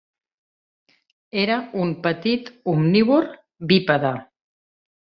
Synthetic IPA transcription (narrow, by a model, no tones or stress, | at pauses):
eɾaumpət̪it̪umniβoɾ | bipaða